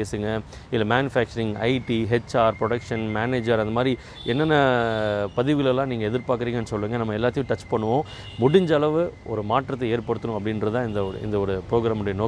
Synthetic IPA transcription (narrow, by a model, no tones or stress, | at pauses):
eːsɯŋɡɐ | ɪlːɐmaːnɯfaːk̚t͡ʃɐɾɪŋɐ̰ɪʈiɦɛt͡ʃːaːɾpɾɔɽɐkʂɐnmaːneːd͡ʒɐɾɐnd̪ɐmaːd̪ɾi | ɛnːɐnːɐpɐðɪʋɣɐɭɛlːãːniːŋɡɐɛðɪɾpaːɾkɯɾiːŋɡɐnːɯsɔlːɯŋɡɐnɐmːɐɛlːaːt̪ːɪjʊ̃ʈɐt͡ʃːpɐɳːɯʋõː | mʊɽɪɲd͡ʒɐɭɐʋɯʔɔɾɯmaːʈɾɐt̪ːɐeːɾpɐɽɯt̪ːɯnʊ̃ɐpːɐɽɪnɾɐðɯt̪ãːɪnd̪ɐɔɾ̰ɪ̰nd̪ɐɔɾɯpɾoːɡɾaːmʊɽejɐnoː